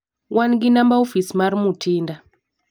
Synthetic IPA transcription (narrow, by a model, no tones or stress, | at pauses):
wʔanɡinambaofismaɾmutʰinda